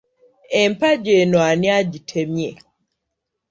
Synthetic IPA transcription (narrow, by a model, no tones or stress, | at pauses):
empaɟenwaniaɟitʰemje